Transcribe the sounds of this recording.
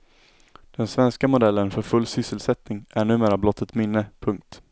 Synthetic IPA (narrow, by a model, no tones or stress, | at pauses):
d̪̥ɛnsvɛnskamʊd̪ɛlːənfœɾfɵlːsʏsːəlsɛt̪nɪŋæɳʉ̟ːmeːɾablɔt̪ʰːət̪mɪnːəpʰɵŋk̚t̪